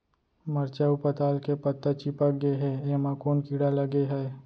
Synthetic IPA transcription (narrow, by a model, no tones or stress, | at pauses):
məɾt͡ʃaupət̪aːlkepət̪ːət͡ʃipək̚ɡeɦɛːemãkoːnkiːɽaləɡeɦɛ